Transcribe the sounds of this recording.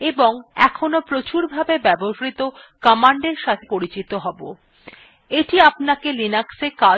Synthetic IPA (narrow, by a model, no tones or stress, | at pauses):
eboŋɛ̰kʰonopɾot͡ɕuɾbʱabebɛboʃɾit̪okɔmaɳɖeɾʃat̪ʰepoɾit͡ɕit̪oɦɔbo̰ | eʈiapnakelinakseka